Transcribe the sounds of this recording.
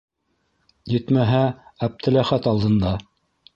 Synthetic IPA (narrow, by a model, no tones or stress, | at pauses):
jɘt̪mæɦææp̚t̪ʰɘ̆læχæt̪ɑlˠd̪ɤ̆nd̪ɑ